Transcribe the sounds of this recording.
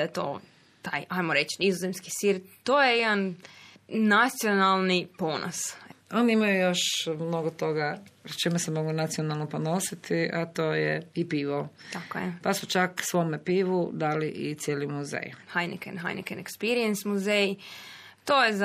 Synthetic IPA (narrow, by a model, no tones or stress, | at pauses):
d̪ajet̪o̞̰ː | t̪aːjʔajmoɾet͡ʃnizozemski̥siɾt̪oːjejed̪anː | at̪sijonalˠnipo̞nʔo̰so̞niimajujo̞ʃmno̞ɡot̪o̞ɡat͡ʃimesemo̞ɡunat̪sio̞nalˠnoponosit̪iʔat̪oːjɛipiːʋot̪akojɛ̰pasut͡ʃaksʋo̞mepiːʋud̪aliʔit̪sʲjeːlimuzḛjhajnḭkɛ̰nɦa̰jnḭkenekspiɾiensmuzej | t̪oːjez